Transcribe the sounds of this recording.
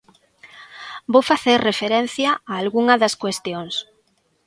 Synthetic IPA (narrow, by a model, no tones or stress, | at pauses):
bowfaθeɾrefeɾen̟θjɐaːlɣuŋɐðɐskwest̪joŋs